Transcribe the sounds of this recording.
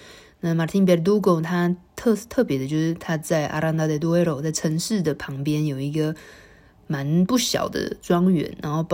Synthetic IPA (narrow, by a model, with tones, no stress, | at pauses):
na˥˨ma˨˩t̪ʰi˥np̬ɛ˧˥ɾt̪u˥ko˨˩ʊt̪ʰa˥t̪ʰɤ˥˧t̪ʰɤ˥˩pjɛ˧˥d̪ə˧t͡ɕjo˥˧ʊʂɻ̩˥˩t̪ʰa˥t͡sa˥˩ɪʔa̰˥ɾa˥˧nt̪a˥˧˩d̪e˧˩t̪̬u˥we˥ɾo˨˩ʊt͡sa˥˩ɪʈ͡ʂʰɤ˧˥ŋʂɻ̩˥˩d̪ə˩pʰɑ˧˥ŋpjɛ˥njo˨˩ʊi˧˥ɡə˧ | ma˧˦˥npu˥˩ɕjɑ̰˨˩ʊd̪ə̰˦ʈ͡ʂwɑ˥ŋɥɛ̰˧˥˦nɻa˧˥nxo˥˩ʊp